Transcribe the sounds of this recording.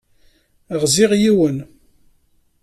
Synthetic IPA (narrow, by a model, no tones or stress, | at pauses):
əʁzɪʁjiwən